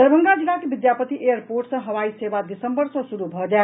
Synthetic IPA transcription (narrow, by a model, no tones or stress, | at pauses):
əbʱəŋɡad͡ʒilakebid̪japət̪iʔejəɾpoɾʈsʌ̃ɦəʋaisebad̪isəmbəɾsʌ̃suɾubʱɔd͡ʒae